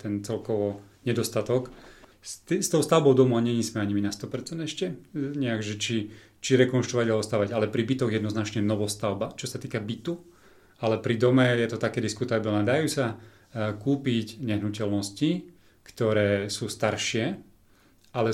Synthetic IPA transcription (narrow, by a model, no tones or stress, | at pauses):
t̪ɛnt͡sɛlkɔʋɔ | ɲɛd̪ɔst̪at̪ɔkst̪ist̪ɔʊst̪aʊbɔʊd̪ɔmuʊaɲɛɲismɛaɲiminast̪ɔpɛɾt͡sɛnd̪ɛʃcɛɲɛakʒɛt͡ʃi | t͡ʃiɾɛkɔnʃt̪ɾɔʋaɟalɔst̪aʊʋaɟalɛpɾibit̪ɔɣjɛd̪nɔznat͡ʃɲɛnɔʋɔst̪aʊbat͡ʃɔsat̪iːkabit̪u | alɛpɾid̪ɔmɛjɛt̪ɔt̪akɛːd̪iskut̪abilnɛd̪ajuːsa | kuːpiɟɲɛɦnucɛlnɔsci | kt̪ɔɾɛːsuːst̪aɾʃɪɛ | alɛ